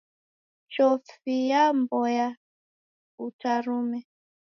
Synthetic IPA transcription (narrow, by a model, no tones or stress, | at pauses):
t͡ʃɔfijambɔja | utaɾumɛ